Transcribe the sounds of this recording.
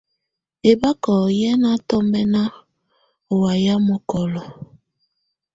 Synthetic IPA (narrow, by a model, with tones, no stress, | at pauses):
e˨ba˦kɔ˨jɛ˦na˦tɔ˦mɛ˦na˦ | o˨wa˨ja˦mɔ˨kɔ˨lɔ˨